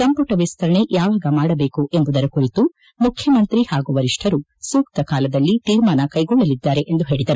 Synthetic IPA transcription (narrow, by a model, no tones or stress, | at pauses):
sɐmpɐʈɐʋist̪ʰɐɾɐɳe̞jaːʋaːɡɐmaːɽɐbe̞ːkuʔembud̪ɐɾɐkuɾit̪u | mukʰjɐmɐnt̪ɾihaːɡuʋɐɾiʂʈʰɐɾu | suːk̚t̪ɐkaːlɐd̪ɐlːit̪iːɾmaːnɐkɐjɡɔɭːɐlid̪ːaːɾe̞ʔend̪uɦe̞ːɭid̪ɐɾu